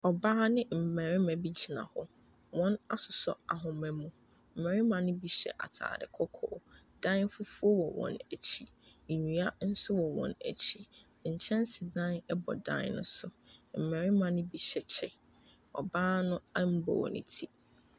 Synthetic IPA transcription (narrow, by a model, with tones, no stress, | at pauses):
ɔ˨baː˦nɪ̃˦m̩˨mɛ̃˨ɾɪ˦mã˨bi˦d͡ʑʰi˨nã̰˨hʊ˦ | wɔ̃˦na˦sʊ˨sʊ̰˦a˨ɦʊ̃˨mɛ̃˨mũ˨ | m̩˨mɛ̃˨ɾɪ˦mã˨nʊ̃˦bi˨ɕɛ̰˨ʔa̰˨tʰa̰ː˨dɪ̰˨kʰɔ˦kʰɔː˨ | d̥ã˦n˦fʊ˦fu˦ɔ˦wɔ˨wɔ̰̃˨næ˨t͡ɕʰi˦˨ | ɲũ˨a˦n̩˦sʊ˦wɔ˨wɔ̰̃˨næ̰˨t͡ɕʰi˦ | ɲ̩˨t͡ɕʰɛ̃˦nsɪ˨dã˦nɛ˦bɔ̰˨dã̰˦nʊ̰̃˦sʊ˨m̩˨mɛ̃˨ɾɪ˦mã˨nʊ̃˦bi˨ɕɛ˨t͡ɕʰɛ˦ | ɔ̰˨baː˦nʊ̃˦ɛ˦m̩˦bɔ̰˨nʊ̰̃˨tʰi˦